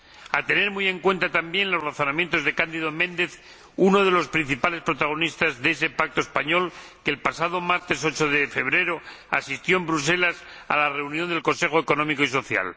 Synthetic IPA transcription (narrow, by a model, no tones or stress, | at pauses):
at̪e̞ne̞ɾmujẽ̞ŋkwe̞nt̪at̪ambje̞nlo̞zraθo̞nãmjẽ̞nt̪o̞zðe̞kand̪iðo̞mẽ̞nd̪e̞θ | unoðe̞lo̞spɾin̟θipale̞spɾo̞t̪aɣ̞o̞nist̪azðees̬e̞pak̚t̪oespaɲo̞lkeːlpasaðo̞maɾt̪e̞so̞t͡ʃo̞ðefe̞β̞ɾe̞ɾo̞asist̪jo̞embɾus̬e̞las | a̰lare̞unjond̪elko̞nse̞xoeko̞nõ̞mikoiso̞θja̰l